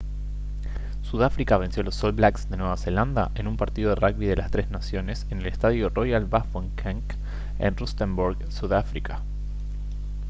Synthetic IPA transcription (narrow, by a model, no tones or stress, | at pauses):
suðafɾikaβ̞e̞nsjo̞lo̞sːolβlaksd̪enweβase̞land̪a̰ʔe̞numpaɾt̪iðo̞ðeraɣβiðe̞last̪ɾe̞znasjo̞ne̞sene̞lest̪aðjoro̞jalbafoŋkʰaŋk | ḛnrust̪embuɾɣsuðafɾikḁ